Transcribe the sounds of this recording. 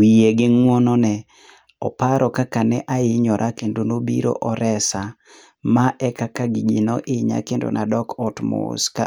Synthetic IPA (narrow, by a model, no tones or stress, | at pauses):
wijeɡɪŋwɔnɔnɛ | ɔ̰paɾɔkakanɛʔaɪɲɔɾʔakendonobḭɾo̰ʔɔɾɛsa | maʔɛkakaɡiɡinɔʔɪɲa̰kendo̰nʔadɔkɔtmo̰ska